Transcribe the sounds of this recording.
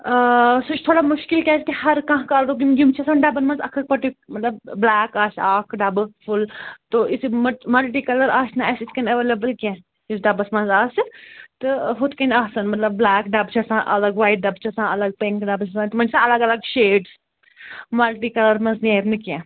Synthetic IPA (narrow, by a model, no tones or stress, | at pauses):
sot͡ʃt̪ʰoːɽamʊʃkilkʲaːt͡ʃʰkihɐɾkãːɦkaːlɾokimɡumt͡ʃʰɐsãːnɖɐbɐnmɐ̃nzɐkʰɐk̚pɐʈumɐt̪lɐbblɛːkaːʃaːkʰɖɐbfʰʊlt̪oːʔisimɐmɐlʈiːkɐlɐɾaːʃnɐɛsiskɐnɐʋeːlebəlkɛ̃ː | isɖɐbɐsmɐ̃nzaːst̪ɨɦut̪kɐnaːsɐnmɐt̪lɐbːlɛːkɖɐbt͡ʃʰɐsãʔɐ̰lɐɡʋaːjʈ̚ɖɐbt͡ʃʰɐsãːɐlɐɡ̚pẽŋkɖɐbt͡ʃʰɐsãːnt̪mɐ̃nd͡ʒsãɐlɐɡɐlɐɡʃeːɖs | mɐlʈiːkɐləɾmɐnzneːɾnɨkɛ̃ː